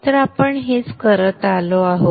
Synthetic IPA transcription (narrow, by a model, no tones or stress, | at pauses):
t̪əɾapəɳɦet͡skəɾət̪aloaɦo